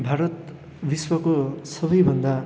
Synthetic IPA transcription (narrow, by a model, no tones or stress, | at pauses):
bʱaɾʌt̪ | biswʌkosʌbʌjbʱʌnd̪a